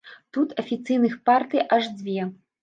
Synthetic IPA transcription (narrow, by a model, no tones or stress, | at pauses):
t̪ut̪ɐfʲit̪sɨjnɨxpart̪ɨjʔaʐd͡zʲvʲɛ